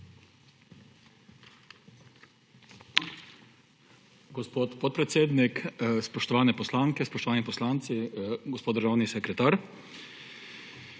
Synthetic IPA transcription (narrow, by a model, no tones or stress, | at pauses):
ɡɔspoːt̪pɔt̪̚pɾɛt̪seːd̪nikspɔʃt̪ɔʋaːnɛpɔslaːŋkɛspɔʃt̪ɔʋaːnipɔslaːnt̪siɡɔspoːd̪d̪əɾʒaːwnisɛkɾɛt̪aːɾ